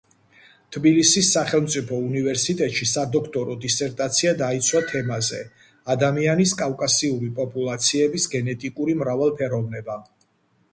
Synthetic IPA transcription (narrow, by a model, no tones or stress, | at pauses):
t̪ʰbilisisːaχɛlˠmt̪sʼipʰɔunivɛɾsit̪ʼɛt̪ʼʃisad̪ɔkʰt̪ʼɔɾɔd̪isɛɾt̪ʼat̪sʰiad̪ait̪sʰwat̪ʰɛmazɛ̰ | ad̪amianiskʼavkʼasiuɾipʼɔpʼulˠat̪sʰiɛbisɡɛnɛt̪ʼikʼuɾimɾavalˠpʰɛɾɔvnɛba